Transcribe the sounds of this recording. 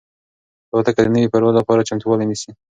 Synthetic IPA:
t̪at̪akad̪ənəwipaɾwad̪lapɑɾat͡ʃamt̪uwɑlinisi

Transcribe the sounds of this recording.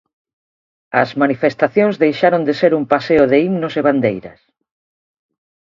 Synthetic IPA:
ɐzmanifest̪aθjõŋzðejʃaɾond̪eseɾumpaseʊðeimnoseβand̪ejɾɐ̰s

